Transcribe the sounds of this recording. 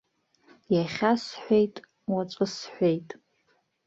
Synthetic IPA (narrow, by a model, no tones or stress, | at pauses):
jaχʲasħʷejtʼ | waʈ͡ʂʷʼɨsħʷejtʼ